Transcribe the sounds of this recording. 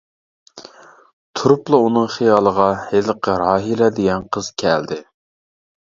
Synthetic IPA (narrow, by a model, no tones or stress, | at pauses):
t̪ʰuɾʊplˠɑunɨŋχijɑːlˠəʁɑheləqəɾɑːɦilɛd̪eɡʲɛnqʰəz̥kʲʰɛ̰ld̪ɪ